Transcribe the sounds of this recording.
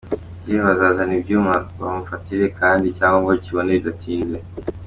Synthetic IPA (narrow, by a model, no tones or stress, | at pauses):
ɡeβazazanibɟjuːmaβamufatiɾekaːndicaːŋɡoŋɡociβoneidatʰiːnɡe